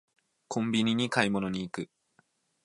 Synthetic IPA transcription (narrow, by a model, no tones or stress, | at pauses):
kʰõ̞mbʲiɲ̟iɲ̟ikaimo̞no̞ɲ̟iːkɯ